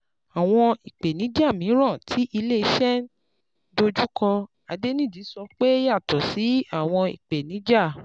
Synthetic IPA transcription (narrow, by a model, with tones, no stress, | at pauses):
a˨w̃ɔ̃˧i˨k͡pe˨nĩ˨˦d͡ʒa˦˨mĩ˨˦ɾ̃ã˦˨tʰi˨˦ʔi˧le˦˨i˧˦ʃɛ˦n | do˧d͡ʒu˦kã˧ | a˨˧de˦nĩ˦˨d͡ʒi˨˦sɔ˧k͡pe˦ja˦˨tɔ˨si˨˦a˦˨w̃ɔ̃˧ḭ˨k͡pe˨nĩ˨˦d͡ʒa˦˨